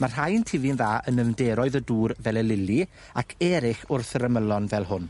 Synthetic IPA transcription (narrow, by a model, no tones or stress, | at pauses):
mar̥ɦajntʰɪvɨnðaːʔənəvdɛɾɔɨðəduːɾvɛlˠɛlɪli | akʰɛɾɪχʊrθərəməlˠɔnvɛlˠɦʊn